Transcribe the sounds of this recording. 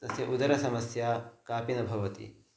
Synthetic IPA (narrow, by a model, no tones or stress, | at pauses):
t̪ɐsjɐʔud̪ɐɾɐsɐmɐsjaːkaːpinɐbʱɐʋɐt̪ḭ